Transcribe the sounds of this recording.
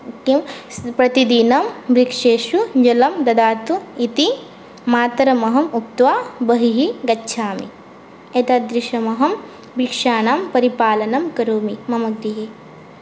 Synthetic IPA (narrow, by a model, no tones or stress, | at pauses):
kimpɾɐt̪id̪inɐmbɾikʂeːʃud͡ʒɐlɐmd̪ɐd̪aːt̪uit̪i | maːt̪ɐɾɐmɐɦɐmup̚t̪ʋaːbɐɦiɦiɡɐtːʃʰaːmḭ | et̪ɐd̪ɾiʃɐmɐɦɐm | bikʂaːnaːmpɐɾipaːlɐnɐmkɐɾoːmimɐmɐɡ̚d̪iɦi